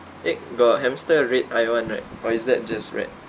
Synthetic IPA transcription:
ʔɛʔ̚ɡɔt̚ɦɛ̃mstəɹet̚ajãnɹaɪt̚ɔisdɛt̚d͡ʒasɹɛ̰t̚

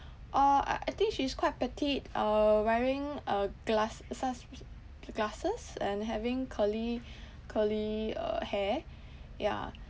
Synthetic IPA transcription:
ʔaa̰ʔa̰ɪt̪ɪ̃ŋkʃiskwaɪt̚pɛtʰitʔʌwɛɹɪ̃ŋʌɡ̥lassas | ɡlasəsɛ̃nɦɛvɪ̃ŋkʰəli | kʰəliʌ̰hɛ | ja̰

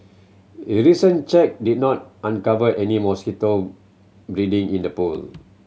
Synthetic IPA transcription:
eɹisə̃nt͡ʃɛk̚did̚nɔt̚ãnkavəʔɛnimɔskitəl | bɹidĩŋĩndəpṵl

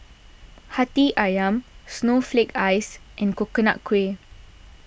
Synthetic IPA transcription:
hatiʔajãmsnoflekajsʔɛ̃nkokəna̰ʔkʰːwe

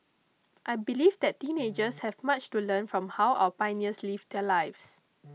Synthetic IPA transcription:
ʔajbilivd̪ɛttĩned͡ʒəshɛvmat͡ʃtulə̃nfɹɔ̃mhawʔa̰wəpãɪniəslivdɛlajfs

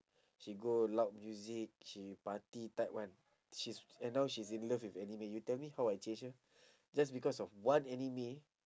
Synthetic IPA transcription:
ʃiɡolat̚mjuzik̚ʃipatitaɪp̚wãn | ʃisɛ̃nːawʃis̬ĩnləfwifɛnimijutɛlmihaʊajt͡ʃẽnd͡ʒə | d͡ʒasbikɔsɔfwãnɛnimi

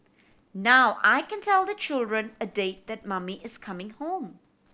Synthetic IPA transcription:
nawʔa̰jkɛ̃ntʰɛlˠd̪ət͡ʃɪlˠdɹə̃nədeɪt̚ðɨt̚mʌmiɪz̥kʰʌmɪ̃ŋhõm

